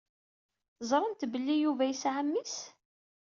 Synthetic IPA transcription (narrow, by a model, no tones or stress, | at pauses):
θzˤɾˤənt̪bəlːijuvæjəsʕamːis